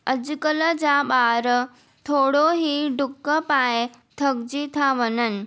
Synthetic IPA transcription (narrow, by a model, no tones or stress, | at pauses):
ɐd͡ʑʊkələd͡ʑaːɓaːɾə | t̪ʰoːɽoɦiɖʊkːəpaːe | t̪ʰɐɡd͡ʑit̪ʰaʋɐnənɪ̆